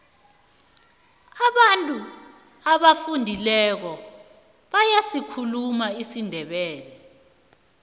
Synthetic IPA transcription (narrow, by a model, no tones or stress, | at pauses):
aɓantʼu | aɓafundʱilɛk̬ɔ | ɓajasikʰulumaisindʱɛɓɛːlɛ